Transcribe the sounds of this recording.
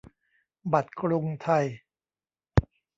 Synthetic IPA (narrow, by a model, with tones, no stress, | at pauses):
ba˨˩t̪̚kɾu˧ŋt̪ʰa˧j